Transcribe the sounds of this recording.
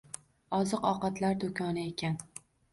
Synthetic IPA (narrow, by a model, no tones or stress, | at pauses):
ɒzɨqɒqɑt̪laɾd̪ʊkʰɒnɪekʲʰan